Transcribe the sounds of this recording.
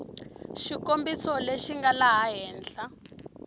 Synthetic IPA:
ʃikombisɔleʃiŋɡalaɦaɦɛːnɬa

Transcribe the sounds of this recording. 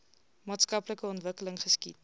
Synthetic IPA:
mɑːtskɐpləkəɔntvəkələŋχəskit

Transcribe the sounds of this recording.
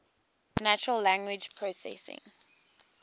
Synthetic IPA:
nat͡ʃəɹəllæ̃ŋɡwɪd͡ʒpʰɹosɛ̰sɪ̰̃ŋ

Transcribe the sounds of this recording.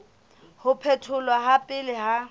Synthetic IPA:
hʊpʰɛtʰʊlwaɦapʼɪlɪɦa

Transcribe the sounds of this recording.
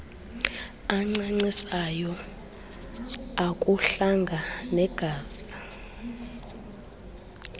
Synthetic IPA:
aŋ͡ǀaŋ͡ǀisajɔ | akʼuɬaŋɡʱanɛɡ̥ʱaːz̥a

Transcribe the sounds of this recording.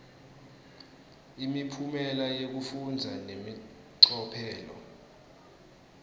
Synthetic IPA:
imipʰumɛlajek̬ufund͡zʱanemi | ǀɔpʰɛːlɔ̰

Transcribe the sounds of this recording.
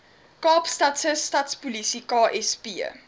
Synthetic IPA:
kɑːpstɐtsəstɐtspulisikɑːʔɛspiə̰

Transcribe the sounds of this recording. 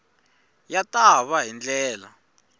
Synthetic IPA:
jatʼaβaɦind͡ɮɛːla̰

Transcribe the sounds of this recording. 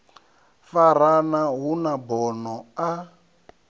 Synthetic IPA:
faɾanaɦunabɔnɔa

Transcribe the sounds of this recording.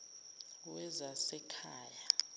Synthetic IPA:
wɛzasɛkʰaːja

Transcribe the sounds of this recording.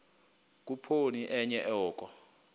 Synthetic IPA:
k̬ʼupʰoniʔɛɲɛʔɔːkʼɔ

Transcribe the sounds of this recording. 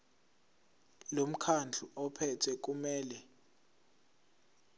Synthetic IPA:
lom̩kʰand͡ɮʱuɔpʰɛtʰwɛk̬ʼumɛːlɛ

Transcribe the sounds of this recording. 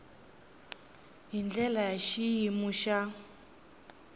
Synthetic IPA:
ɦind͡ɮɛlajaʃijimuʃa

